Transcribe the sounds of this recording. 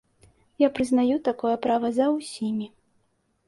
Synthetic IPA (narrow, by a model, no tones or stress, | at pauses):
japɾɨznajut̪akɔjɛpɾavɐzɐwsʲimʲi